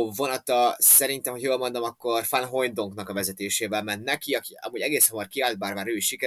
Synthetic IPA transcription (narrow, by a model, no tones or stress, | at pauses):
vo̞nɒt̪ɒsɛɾint̪ɛmho̞cʰjoːlmo̞nd̪o̞mɒkːo̞rfɒnɦo̞j̪d̪oŋknɒkɒvɛzɛt̪eːʃeːvɛlmɛnnɛkiɒkiɒ̰muːɟɛɡeːshomɒrkiaːlt̪̚baːrmaːɾøːiʃʃikɛ